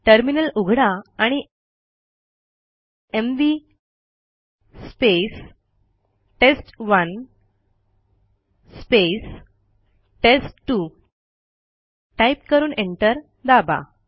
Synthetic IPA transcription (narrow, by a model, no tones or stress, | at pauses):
ʈəɾminəluɡʱɽaaɽ̃i | emʋi | spes | ʈesʈʋən | spes | ʈesʈʈːu | ʈaipkəɾuːneɳʈəɾ | d̪aba̰